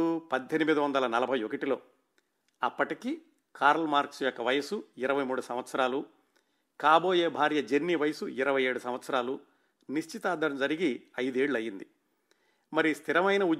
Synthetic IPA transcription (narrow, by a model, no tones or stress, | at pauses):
upɐd̪ʱːenimid̪ɐʋɐnd̪ɐlɐnɐlɐbʱɐjokɐʈilo̞ː | ɐpːɐʈiki | kaːɾɐlmaːɾksjɔkːɐʋɐjɐsuɪɾɐʋɐjmuːɽusɐmʋɐt̪sɐɾaːlu | kaːbo̞ːje̞ːbʱaːɾjɐd͡ʒe̞nːiʋɐjɐsuiɾɐʋɐje̞ːɽusɐmʋɐt̪sɐɾaːlu | niʃt͡ʃit̪aːd̪ɐɾɐmd͡ʒɐɾiɡiɐjd̪e̞ːɭːuɐjːind̪i | mɐɾist̪ʰiɾɐmɐjnɐu